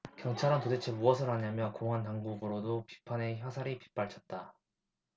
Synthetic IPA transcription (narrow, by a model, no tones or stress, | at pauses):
kjʌŋt͡ɕʰaɾɯntodet͡ɕʰemuʌsʰɯɾaɲamjʌnkoŋɦantaŋɡubɯɾodopi̥pʰane̞çjʌsʰaɾipi̥p͈aɭt͡ɕʰʌt̚t͈a